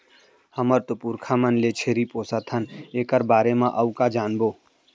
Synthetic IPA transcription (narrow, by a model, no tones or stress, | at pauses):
həməɾt̪opuɾkʰamənlet͡ʃʰeːɾipoːsat̪ʰəneːkəɾbaːɾemãʔɐukad͡ʒaːnboː